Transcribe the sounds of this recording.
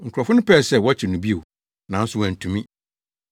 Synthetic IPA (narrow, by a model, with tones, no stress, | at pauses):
ŋ̩˨kʰʊ˨ɔ˨fʊ˦nʊ̃˦pʰɛ˦˨sɛ˦˨wɔ˦t͡ɕʰɪ˨nũ˨bi˦o˨ | nã˨n̩˦sʊ˦wã˨n̩˨tʰũ˨mĩ˦